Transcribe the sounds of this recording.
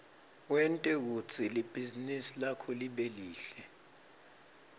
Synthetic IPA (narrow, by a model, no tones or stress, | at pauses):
wɛntʼɛk̬ut͡sʰʼilib̥ʱizinisilakʰɔliɓeliːɬɛ